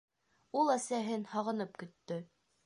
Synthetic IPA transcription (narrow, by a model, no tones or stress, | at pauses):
ulˠæsæɦɘnhɑʁɤ̆nɤp̚kɵ̆t̪ːɵ